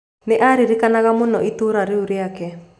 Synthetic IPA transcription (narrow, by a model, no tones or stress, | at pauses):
neʔaɾiɾikanaɣamonɔitoɾaɾeuɾeakɛ